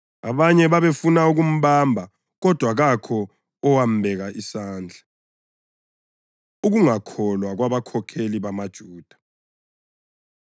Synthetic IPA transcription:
a̰βaɲɛβaβefunauɣum̩βambʱa | ɣɔd̥ʱwaɣakʰɔ | ɔwam̩bʱɛɣaʔisaːnd͡ɮʱa | uɣuŋakʰɔlwaɣwaβakʰɔkʰeliβamad̥ʒ̥ʱuːd̥ʱḁ

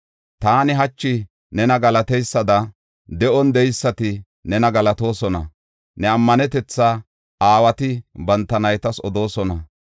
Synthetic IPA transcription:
t̪aːnɪɦɐt͡ʃːɪ | nɛnɐɡɐlɐt̪ɛjsːɐd̪ɐ | d̪ɛʔɔnd̪ɛjsːɐt̪ɪ | nɛnɐɡɐlɐt̪o̞ːsɔnɐ̰ | nɛɐmːɐnɛt̪ɛt͡sːa | aːwɐt̪ɪbɐnt̪ːɐnɐjt̪ɐsɔd̪o̞ːsɔnɐ

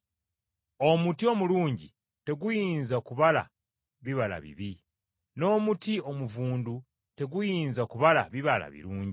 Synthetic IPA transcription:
o̞mutio̞muluːɲɟi | te̞ɡujiːnzakuβala̰ | βiβala̰βḭβi | no̞ːmutio̞muvuːndu | te̞ɡujiːnzakuβala̰βiβala̰βḭɾuːɲɟi

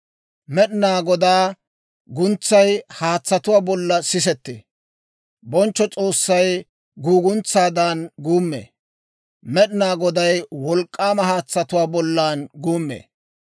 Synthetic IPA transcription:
mɛɗɪnaːɡɔd̪aː | ɡʊnt͡sːɐjhaːt͡sːɐt̪ʊwaːbɔlːɐsɪs̬ɛt̪ːḛː | bɔnt͡ʃːɔt͡sʼo̞ːsːɐj | ɡuːɡʊnt͡sːaːd̪aːnɡuːmːḛː | mɛɗɪnaːɡɔd̪ɐjwɔlkʼːaːmɐhaːt͡sːɐt̪ʊwaːbɔlːaːnɡuːmːḛː

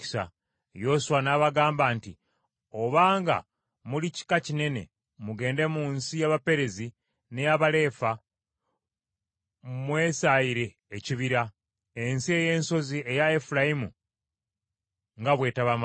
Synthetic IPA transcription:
sa̰ | jo̞suwanaβaɡaːmbanti | oβaːŋɡa̰ | mulici̥kacine̞ne̞̰ | muɡe̞ːnde̞muːnsijaβape̞ɾe̞zi | nejaβale̞ːfa | mwe̞ːsaiɾe̞ːciβiɾa | e̞nsie̞je̞ːnso̞zie̞jaefulajimu | ŋɡaβwe̞ːtaβam

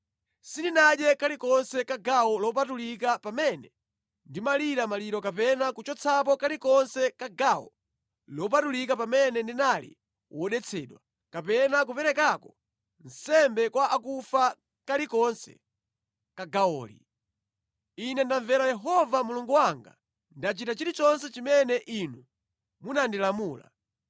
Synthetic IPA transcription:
sininaɗɛkalikɔnsɛkaɡaɔlɔp̬atulikapamɛnɛ | ndimaliɾamaliɾɔkapɛnakut͡ʃɔt͡sʰap̬ɔkalikɔnsɛkaɡawɔ̰ | lɔp̬atulik̬apamɛnɛndinalḭ | wʔɔɗɛt͡sʰɛːɗwa | kapɛnak̬upɛɾɛkakɔ | n̩sɛmbɛkwaʔakufa | kalikɔnsɛ̰ | kaɡaɔ̰ːlḭ | inɛndaɱvɛɾajɛɦɔvamuluŋɡuwaŋɡa | ndat͡ʃitat͡ʃiɾit͡ʃɔnsɛt͡ʃimɛnɛʔinu | munandilamuːla̰

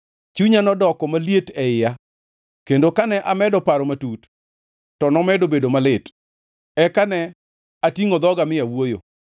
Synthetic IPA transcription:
t͡ʃuɲanɔdɔkɔmalietɛɪja | kendokanɛʔamɛdɔpaɾɔmatut | tɔnɔmɛdobedomalɪt | ɛkanɛ | atiŋod̪ɔɡamɪjawojo̰

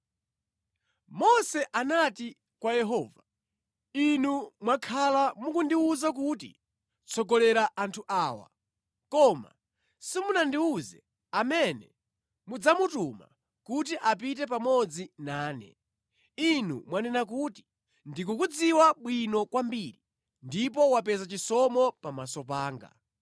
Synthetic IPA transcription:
mɔsɛʔanati | kwajɛɦɔːva | inumwakʰalamukundiuzak̬utḭ | t͡sʰɔɡɔlɛɾaʔantʰuʔaːwa̰ | kɔma̰ | simunandiuzɛ̰ | amɛnɛ̰ | mud͡zamutuma̰ | kut̬iʔap̬itɛpamɔd͡zinaːnɛ̰ | inṵmwanɛnak̬uti̥ | ndikukud͡ziwaɓwinɔkwambiːɾi | ndip̬ɔwapɛzat͡ʃisɔmɔpamasɔpaːŋɡa̰

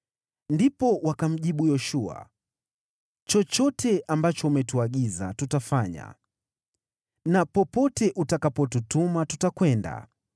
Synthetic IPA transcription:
ndipɔwakam̩ʄiɓujɔʃua̰ | t͡ʃɔt͡ʃɔtʰɛʔambat͡ʃɔumɛtuaɠiza̰tutafaɲa̰ | napɔpɔtɛʔutakapɔtutumatutakwɛnda̰

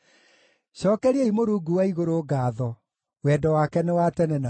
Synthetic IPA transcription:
ɕɔːkɛɾiɛimoɾuːɡuwaiɣoɾoːɡaːðɔ | wɛdɔwakɛnewatɛnɛna

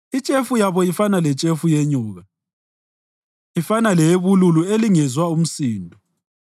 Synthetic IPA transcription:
it͡ʃʼefujaβɔifanalɛt͡ʃʼefujeɲuːɣa | ifanaleβululueliŋɛzwaum̩siːndʱɔ

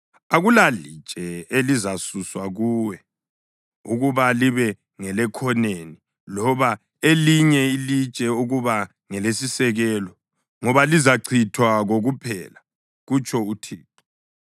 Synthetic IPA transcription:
aɣulali̥t͡ʃʼɛelizasuswaɣuːwɛ | uɣuβaliβɛ | ŋɛlɛkʰɔneni | lɔβa | eliɲɛilit͡ʃʼɛuɣuβa | ŋɛlesisɛɣɛlɔ | ŋɔβalizaǀʰitʰwaɣoɣupʰɛːla | ɣut͡ʃʼɔutʰiːǁɔ̥

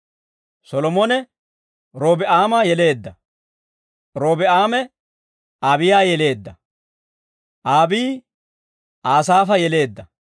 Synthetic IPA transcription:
sɔlɔmɔnɛ | ɾoːbɛʔaːmɐjɛle̞ːd̪ːɐ | ɾoːbɛʔaːmɛ | aːbɪjaːjɛle̞ːd̪ːɐ | ʔaːbiː | ʔaːs̬aːfɐjɛle̞ːd̪ːɐ

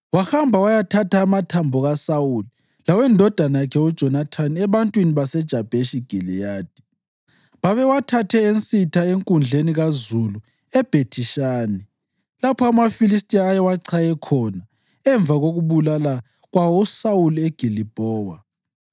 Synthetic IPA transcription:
waxambʱawajatʰatʰaːmatʰambʱɔɣasawuli | lawɛndʱɔd̥ʱanajakʰɛud̥ʒ̥ʱɔnatʰaniɛβantʼwiniβasɛd̥ʒ̥ʱab̥ʱeʃiɡ̥ʱilḭjaːd̥ʱi̥ | βaβɛwatʰatʰɛent͡sʼitʰaeŋkʼund͡ɮʱeniɣazulu | ɛb̥ʱetʰiʃaːnɛ | lapʰɔamafilis̬tʼiaːjɛwaǀʰajɛkʰɔna | ɛɱb̪vʱaɣoɣuβulala | ɣwawɔsawulieɡ̥ʱilib̥ʱɔːwa

